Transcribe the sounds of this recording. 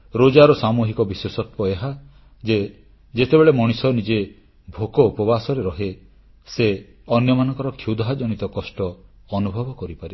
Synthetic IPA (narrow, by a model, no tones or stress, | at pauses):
ɾod͡ʒaɾɔsamuɦikɔbiswesɔt̪wɔeɦa | d͡ʒe | d͡ʒet̪ebeɭemɔɽ̃isɔnid͡ʒe | bʱokɔupɔbasɔɾeɾɔɦe | se | ɔnjɔmanɔ̃ŋkɔɾɔkʰjud̪ʱad͡ʒɔñit̪ɔkɔsʈɔː | nubʱɔbɔkɔɾipaɾi